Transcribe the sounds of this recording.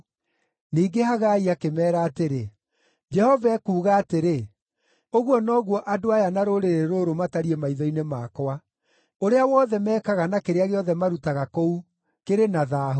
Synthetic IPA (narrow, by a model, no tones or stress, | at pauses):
niːɡehaɣaiakemɛːɾaːteɾe | d͡ʒɛhɔvaɛkuːɣaːteɾe | oɣwɔnɔɣwɔʔadoajanaɾoɾeɾeɾoɾomataɾiemaiðainemakwa | oɾeawɔːðɛmɛːkaɣanakeɾeaɣeɔðɛmaɾutaɣakou | keɾenaðaːɦo